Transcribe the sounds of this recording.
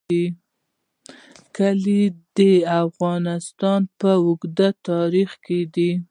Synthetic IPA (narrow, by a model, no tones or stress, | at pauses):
i | kəlid̪əafɣɑnɪst̪ɑnpəʊɡd̪at̪ɑɾixked̪i